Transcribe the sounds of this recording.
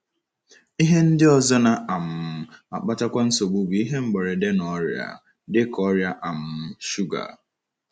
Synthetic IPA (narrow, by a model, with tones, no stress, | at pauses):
i˦ɦe˦n̩˦dɪ˦ɔ˦zɔ˦na˨a˨m̩˨a̰˨k͡pa˦ta˦kʷa˦n̩˦so˨ɡ͡bu˦bi˨˦i˦ɦe˦ŋ͡m̩˦ɡ͡be˨ɾe˨de˦nɔ˦ɾja̰˨ | dɪ˦kɔ˦ɾja˦ʔa˨m̩˨˦ʃu˦ɡa̰˨